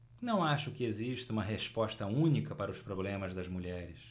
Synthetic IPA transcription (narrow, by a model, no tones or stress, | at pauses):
nɐ̃w̃aʃʊkɪeziʃt̪ɐũmɐɦeʃpɔʃt̪ɐũnikɐpaɾɐʊspɾoblẽmɐzd̪ɐzmuʎɛɾɪs